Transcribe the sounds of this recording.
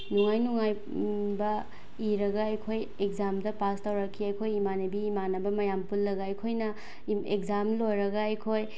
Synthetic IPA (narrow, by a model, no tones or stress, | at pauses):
nuŋajnuŋaj | bɐ | iɾɐɡɐɐjkʰoj | ek̚zamdɐpastawɾɐkʰːiɐjkʰojimanebiːmanɐbɐmɐjampulːɐɡɐɐjkʰojnɐ | ek̚zamlojɾɐɡɐɐjkʰoj